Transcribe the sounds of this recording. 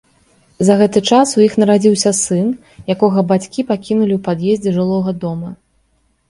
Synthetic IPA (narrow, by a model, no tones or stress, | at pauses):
zɐɣɛt̪ɨt͡ʂasujixnɐɾad͡zʲiwsʲɐsɨn | jakɔɣɐbat͡sʲkʲipakʲinulʲiwpad̪jezʲd͡zʲɛʐɨlˠɔɣɐd̪ɔmɐ